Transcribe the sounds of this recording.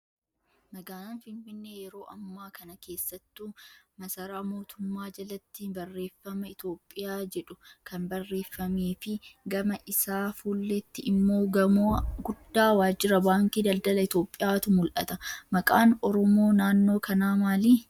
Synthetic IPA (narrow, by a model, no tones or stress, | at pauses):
mɐɡaːnɐnfɪɱfɪnːe̞ːjɛɾo̞ːʔɐmːaːkɐnɐke̞ːsːɐt̪ːumɐsɐɾaːmo̞ːt̪ʊmːaːd͡ʒɐlɐt̪ːɪbɐrːe̞ːfːɐmɐɪt̪o̞ːpʼːɪjaːd͡ʒɛᶑʊkʰɐnbɐrːe̞ːfːɐmeːfɪɡɐmɐʔɪsaːfuːlːet̪ːɪʔɪmːo̞ːɐmoːɡʊd̪ːaːwaːd͡ʒɪɾɐbaːŋkiːd̪ɐld̪ɐlɐɪt̪o̞ːpʼːɪjaːt̪ʊmʊlʔɐ̰t̪ɐmɐkʼaːnɔɾɔmo̞ːnaːnːo̞ːkɐnaːmaːliː